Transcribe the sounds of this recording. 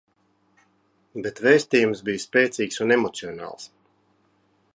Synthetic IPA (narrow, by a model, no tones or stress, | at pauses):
bet̪veːst̪iːjumsbijspɛːt̪siːksunemɔt̪siɔnɑ̰ːlˠs